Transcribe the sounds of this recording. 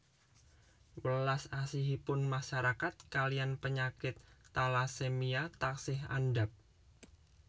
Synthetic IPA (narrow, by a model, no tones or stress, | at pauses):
wəlasasiɦipʊnmaʃaɾakat̪̚kalijanpəɲakɪt̪ːalasemiat̪aksɪɦa̰ndap̚